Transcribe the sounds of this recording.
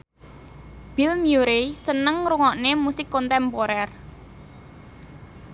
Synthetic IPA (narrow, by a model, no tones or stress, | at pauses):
b̥ilmjuɾesənəŋɾuŋɔʔnemusɪkːɔnt̪ɛmpoɾɛr